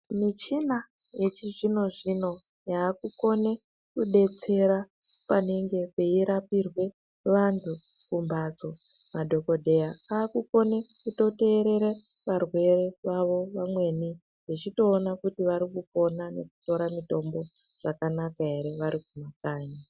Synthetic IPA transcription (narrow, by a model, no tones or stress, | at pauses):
mit͡ʃina | jet͡ʃiʐino̞ʐino̞ | jaːkuko̞ne̞ | kuɗe̞t͡se̞ɾa | pane̞ŋɡe̞peiɾapirwe̞ | ʋantʰu | kumbad͡zo̞ | madʱo̞ko̞dʱe̞jaaːkuko̞nekuto̞te̞ːɾe̞ɾe | ʋarwe̞re̞ʋaʋo̞ʋamwe̞ni | jit͡ʃito̞ːnakutiʋaɾikupo̞nane̞̰ku̥to̞ɾamito̞mbo̞ | ʐ̥akanakae̞ɾe̞ʋaɾikumakaːɲa